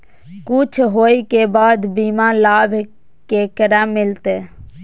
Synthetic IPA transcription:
kʊt͡ʃʰɦoːikeːbaːd̪biːmãːlaːbʱ | keːkəɾãːmɪlt̪eː

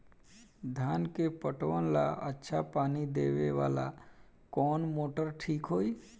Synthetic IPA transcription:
d̪ʱjaːnkepəʈʋənla̰ʔətːʃʰapaːnid̪eːʋeʋa̰ːla̰ | kɔːnmoːʈəɾʈʰiːkɦoːiː

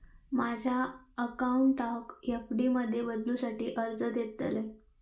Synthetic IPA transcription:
mad͡ʑʱjaəkauɳʈɔkjəkɽiməd̪ʱːjebəd̪lusaʈiːʔəɾd͡zəd̪jet̪le

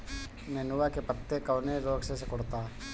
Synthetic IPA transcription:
nenuʋakepɐt̪ːekɐʋneɾoːɡsesekɔɽt̪aː

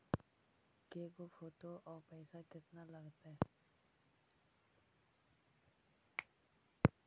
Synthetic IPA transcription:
keːɡofoːʈoʔɔːɾpɛːsakɪt̪nalɐɡt̪aɦɛ

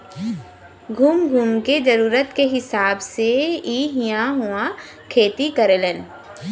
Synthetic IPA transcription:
ɡʱuːmɡʱuːmkezəɾuːɾət̪keɦɪsaːbseiːɦɪjãɦuã | kʰeːt̪ikəɾelən

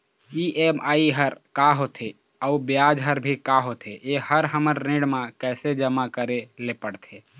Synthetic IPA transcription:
iʔemaiɦəɾkaɦot̪ʰe | aubjad͡ʒɦəɾbʱikaɦot̪ʰeʔehəɾɦəməɾːẽɽmakɛɪsed͡ʒəmakəɾelepəɽt̪ʰe

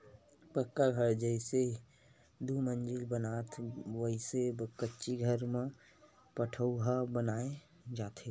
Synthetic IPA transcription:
pəkːaɡʱəɾd͡ʒəɪse | d̪umə̃nd͡ʒɪlbənaːt̪ʰʋəɦisekətːʃiɡʱəɾmẽ | pəʈʰəuɦabənaːe | d͡ʒaːt̪ʰe

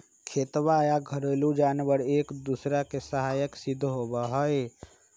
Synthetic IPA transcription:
kʰeːt̪ʋajaɡʱəɾolud͡ʒaːnbəɽeːkd̪usɾakesəɦaːjəksid̪ʱːɦobaɦəj

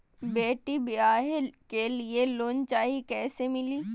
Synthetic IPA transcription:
beːʈibaːɦɪlkelieloːnt͡ʃaːikɛːsemɪliː

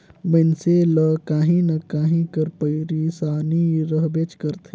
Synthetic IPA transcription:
bənselɐkaːɦĩnɐkaːɦĩkəɾpəiɾiːsaːniɾəɦbeːt͡ʃkəɾt̪ʰː

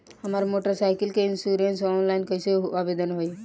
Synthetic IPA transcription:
ɦəmaɾmoʈəɾsajkəlkeinsuɾensɔːnlaɪnkəjseabed̪ənɦoj

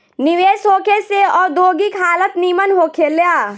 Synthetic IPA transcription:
nɪʋeːsɦoːkʰeseɔːɾd̪oːɡikʰaːlət̪niːmənɦoːkʰeleaː

